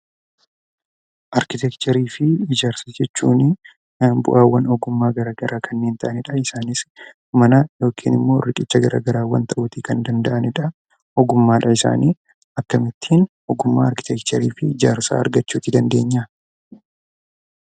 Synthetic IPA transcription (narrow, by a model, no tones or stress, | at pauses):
ʔɐɾkɪt̪ɛkt͡ʃ̪ɐɾiːfɪɪd͡ʒaːɾsɐd͡ʒɛt͡ʃːuːnɪ | bʊ̰ʔaːwːɐnɔɡʊmːaːɡɐɾaːɡɐɾʔaːkʰɐnːe̞ːnt̪ɐʔɐnɪᶑɐɪsaːnɪs | mɐnajo̞ːkʰḭːnɪmːo̞ːrɪkʼɪt͡ʃːɐɡɐɾa̰ːɡɐɾaːwɐ̰nt̪ɐʔʊt̪iːkɐnd̪ɐnd̪ɐʔɐnɪᶑɐ | ɔɡʊmːaːᶑɐɪsa̰ːniː | ɐkːɐmɪt̪ʰːiːn | ɔɡʊmːa̰ːɐɾkɪ̥t̪ɛkt͡ʃ̪ɐɾḭːfɪɪd͡ʒa̰ːɾsa̰ːɐ̰ɾɡɐt͡ʃːuːt̪ːɪd̪ɐnd̪e̞ːɲːɐ